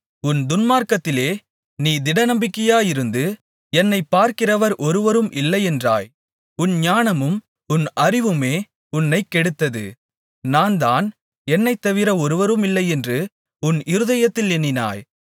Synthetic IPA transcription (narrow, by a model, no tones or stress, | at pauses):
ʊnd̪ʊnmaːɾkɐt̪ːɪleː | niːd̪ɪɽɐnɐmbɪkːɐjaːjɪɾɯnd̪ɯ | ɛnːɐɪpːaːɾkɪrɐʋɐɾʔɔɾɯʋɐɾɯmʔɪlːɐɪɛndra̰ːj | ʊnɲaːnɐmɯm | ʊnɐrɪʋɯmeː | ʊnːɐɪkːɛɽɯt̪ːɐðɯ̰ | naːnd̪aːn | ɛnːɐɪt̪ːɐʋɪɾɐɔɾɯʋɐɾɯmɪlːɐɪɛndrɯ | ʊnɪɾɯðɐjɐt̪ːɪlɛnːɪna̰ːj